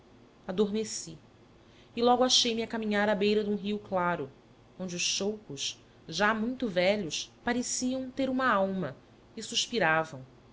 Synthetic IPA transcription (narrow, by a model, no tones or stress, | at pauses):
ad̪oɾmesi | ɪlɔɡʊaʃejmɪakamĩɲaɾabejɾɐd̪ũɦiuklaɾʊ | õnd͡ʒɪʊʃʃowkʊʃ | ʒamũj̃t̪ʊvɛʎʊspaɾesiɐ̃w̃t̪eɾũmɐawmɐ | ɪsuʃpiɾavɐ̃w̃